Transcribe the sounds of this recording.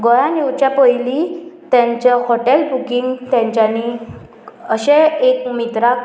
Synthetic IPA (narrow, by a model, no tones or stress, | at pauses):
ɡɔjãniwt͡ɕjapɔjlit̪jãɲt͡ɕɔhoʈelbukiŋɡt̪jãɲt͡ɕani | əɕeekmit̪ɾak